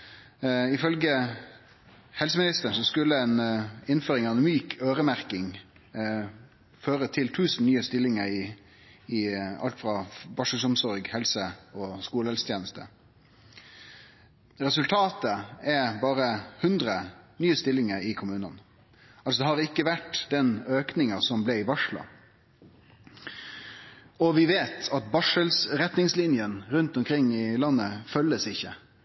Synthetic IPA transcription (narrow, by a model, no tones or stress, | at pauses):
ɪfœlɡə | hɛls̬əmɪnɪst̪əsɔskʉlːəɛːnɪnføːɾɪŋɑɛnmyːkʰøːʁəmæʁkɪŋ | føːɾət̪ʰɪlt̪ʰʉːsnnyːəst̪ɪlːɪŋəɾɪ | ɪɑlt̪fʁɑbɑʂəsɔmsɔɾɡhɛlsəɔskuːləɛlsə̥t̪ʰjeːnəst̪ə̰ | ɾɛsʉlt̪ʰɑːt̪əɛbɑːɾəhʉnd̪ɾənyːəst̪ɪlːɪŋəɾɪkʰʊmʉːnən | ɑlsɔd̪ɛhɑʁɪkːəʋæʈd̪ɛnøːknɪŋɑsɔmblɛɪʋɑʂɭɑ̰ | ɔʋɪʋeːt̪ʰɑt̪̚bɑʂəlsɾɛt̪nɪŋslɪnjənɾʉnt̪ɔmkʰɾɪŋːɪlɑnːəfœlːəsɪçːə